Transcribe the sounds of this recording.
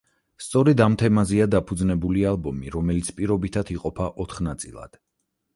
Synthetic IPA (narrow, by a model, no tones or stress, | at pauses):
st̪sʼɔɾɛd̪amt̪ʰɛmazɛad̪apʰud̪znɛbulialˠbɔmiɾɔmɛlit̪sʰpʼiɾɔbit̪ʰat̪ʰiqʼɔpʰaʔɔt̪ʰχnat̪sʼḭlˠa̰d̪̥